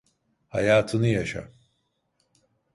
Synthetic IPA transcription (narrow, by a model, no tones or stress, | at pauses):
ha̰jaːt̪ʰɯnɯjaʃa̰